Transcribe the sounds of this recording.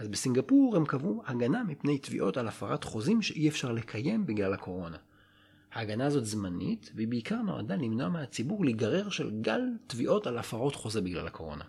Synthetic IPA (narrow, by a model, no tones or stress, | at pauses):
ʔazbesiŋɡapuʁhemkavuhaɡanamipne̞jtvḭʔo̞talafaʁatχo̞zimʃeʔiefʃaʁle̞kʰaje̞mbiɡlalhakʰo̞ʁo̞na | haːɡanaːzo̞tzmanḭtveibeikaʁno̞̰a̰dalimno̞ameat͡sibuʁliɡaʁe̞ʁʃe̞̰lɡaltviʔo̞talafaʁo̞tχo̞zebiɡla̰lhakʰo̞ʁo̞̰na̰